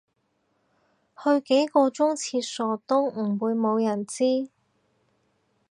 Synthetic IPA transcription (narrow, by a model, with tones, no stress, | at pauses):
hɵ˧ɥke˨˥jkɔː˧t͡sʊ˥ŋt͡sʰiː˧t̚sɔː˨˩t̪ʊ˥ŋ̩˨˩wuː˨˧jmo˨˧wjɐ˨˩nt͡siː˥